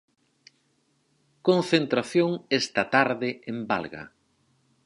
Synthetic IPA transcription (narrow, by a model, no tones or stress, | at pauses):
kõnθent̪ɾaθjoŋest̪ɐt̪aɾðɪemba̰lɣɐ̰